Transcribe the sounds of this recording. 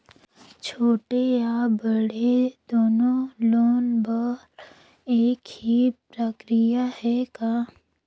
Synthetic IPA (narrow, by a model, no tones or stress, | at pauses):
t͡ʃʰoːʈejabəɽed̪oːnõloːnbɔl | eːkhipɾəkɾijahɛkaː